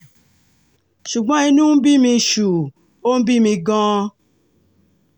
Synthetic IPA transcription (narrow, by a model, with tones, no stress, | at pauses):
ʃu˨ɡ͡bã˦i˦nũ˦m̩˦bi˦mi˧˦ʃu˨ | o˦m̩˦bi˦mĩ˧ɡɔ̃ː˦